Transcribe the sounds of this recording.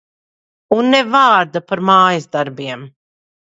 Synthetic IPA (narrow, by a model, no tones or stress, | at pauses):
unːɛvaːɾd̪apaɾmaːjazd̪aɾbiɛm